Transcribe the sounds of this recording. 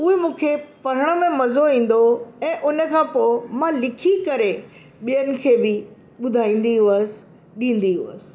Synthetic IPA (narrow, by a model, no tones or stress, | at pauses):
ʊːɦemũːkʰepɐɾ̤əɽ̃ə̆mẽmɐzoĩːn̆d̪oɛ̃ːʔʊnə̆kʰãːpoːɪmãlɪkʰikɐɾe | ɓijənɪ̆kʰeːbɪ | ɓʊd̪ʱaːĩːn̆d̪iɦʊʋəsɪ̥ | ɗĩːn̆d̪iɦʊə̰sɪ̥̆